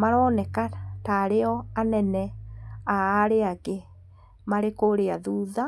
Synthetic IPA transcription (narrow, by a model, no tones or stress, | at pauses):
maɾɔːnɛkataɾeɔanɛnɛaːɾeaɣe | maɾekoɾeaðuːða